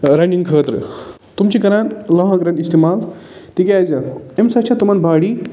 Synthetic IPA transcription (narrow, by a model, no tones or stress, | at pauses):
ɾajɳɖiŋɡkʰət̪ɾɨ̰ | t̪umt͡ɕikɐɾãnlɐɦə̃kɐɾãnist̪imalt̪ikʲazaemsɐt͡ʃʰat̪umanbaɽi